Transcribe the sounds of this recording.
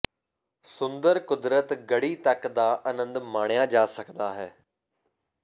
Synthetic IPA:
sʊ̃nd̪əɾkʊd̪ɾət̪ɡəɽiːt̪əkd̪aːʔənə̃nd̪maːɳjaːd͡ʒaːsəkd̪aːɦɛː

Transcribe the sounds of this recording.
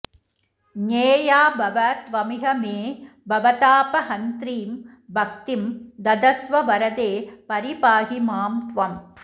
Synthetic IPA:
ɲeːjaːbʱɐʋɐt̪ʋɐmɪɦɐmeː | bʱɐʋɐt̪aːpɐhɐnt̪ɾiːm | bʱɐk̚t̪imd̪ɐd̪ɐsʋɐʋɐɾɐd̪eːpɐɾipaːɦimaːmt̪ʋɐm

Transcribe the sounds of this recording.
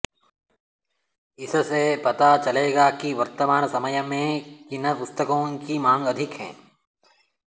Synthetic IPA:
ɪssepɐt̪at͡ʃɐleːɡakiʋɐɾt̪əmaːnsɐməjmẽkɪnəpʊst̪əkõːkimãːŋɡɐd̪ʱɪkɦɛ̰̃ː

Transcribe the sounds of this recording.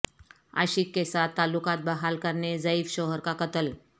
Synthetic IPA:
ə̰ɕiːkːesat̪ːalːukat̪̚bəɦalkəɾned͡zəiːfɕoɦəɾkakət̪əl

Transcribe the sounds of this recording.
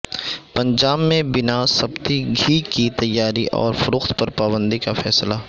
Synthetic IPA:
pɐ̃ɲd͡ʒaːbmẽbɪnasɐbt̪iɡʱiːkit̪ɐjːaːɾiʔɔ̰ːɾfʊɾʊxt̪pɐɾpaːbə̃nd̪ikafɛːsla

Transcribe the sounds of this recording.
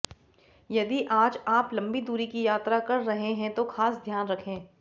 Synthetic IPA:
jɐd̪iʔaːd͡ʒaːplɐ̃mbid̪uːɾikijaːt̪ɾakɐɾːɐɦẽɦɛ̃t̪oxaːsd̪ʱjaːnɾɐkʰẽː

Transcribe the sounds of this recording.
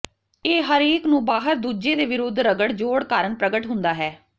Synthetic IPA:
eːɦəɾeːknũːbaːɦəɾd̪uːd͡ʒeːd̪eːʋɪɾʊd̪ʱːɾəɡəɽd͡ʒoːɽkaːɾəɳpɾəɡəʈɦʊnd̪aːɦɛː

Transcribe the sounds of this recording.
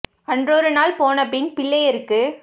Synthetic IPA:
ɐndrɔɾɯnaːlpoːnɐp̬ɪnpɪɭːɐjɪɾɯkːɯ

